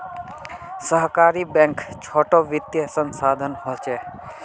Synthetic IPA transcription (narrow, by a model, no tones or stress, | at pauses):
səɦkaːɾibɛ̃ŋkt͡ʃʰoːʈoʋɪt̪jəsə̃nsaːd̪ʱənɦot͡ʃɛː